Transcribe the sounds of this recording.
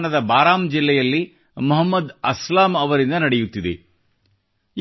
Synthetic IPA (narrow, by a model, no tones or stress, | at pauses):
nɐd̪ɐbaːɾaːmd͡ʒilːɛjɐlːi | mɐɦɐmːɐd̪ɐslaːmɐʋɐɾind̪ɐnɐɽɛjut̪ːid̪ḛ